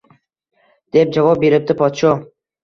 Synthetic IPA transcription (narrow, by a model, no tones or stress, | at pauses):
d̪̥e̞p̚d͡ʒavɒp̚be̞ɾɪp̚d̪ɪpʰɒt̪ʃɒ